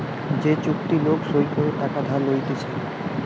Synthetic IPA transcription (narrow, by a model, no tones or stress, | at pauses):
d͡ʑet͡ɕukt̪ilokʃojkoɾeʈ̪akad̪ʱalojt̪et͡ɕʰe